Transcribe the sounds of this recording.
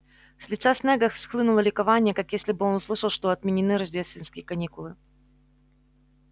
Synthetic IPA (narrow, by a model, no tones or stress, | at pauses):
sʲlʲɪt̪sasʲneɡəxsxlˠɨnʊlˠəlʲɪkɐvanʲɪjəkakjesʲlʲɪbɨo̞nʊslˠɨʂəlˠʂt̪o̞ɐt̪̚mʲɪnʲɪnɨɾɐʐdʲest̪ʲvʲɪnskʲɪjəkɐnʲikʊlˠɨ